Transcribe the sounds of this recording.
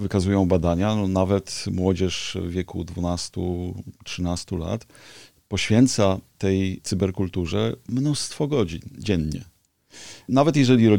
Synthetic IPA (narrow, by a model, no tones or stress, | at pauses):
vɘkazujɔ̃w̃bad̪aɲaɔnavɛt̪mwɔd͡ʑɛʂvʲjɛkṵd̪vunast̪utʂɘnast̪ula̰t̪ | pɔɕfʲjɛnt̪sat̪ɛjt̪sɨbɛɾkult̪uʐɛmnust̪fɔɡɔd͡ʑind͡ʑɛnɲɛ̰ | navɛt̪̬jɛʐɛlʲiɾɔ